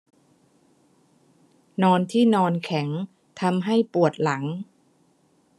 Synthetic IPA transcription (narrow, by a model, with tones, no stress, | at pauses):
nɔː˧nt̪ʰiː˥˩nɔː˧nkʰɛ˩˦ŋ | t̪ʰa˧mɦa˥˩jpu˨˩ət̪̚la˩˦ŋ